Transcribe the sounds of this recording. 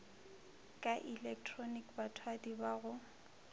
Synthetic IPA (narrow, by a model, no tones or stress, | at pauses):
kʼaʔilɛk̚tʰrɔnikbatʰwadibaɣʊ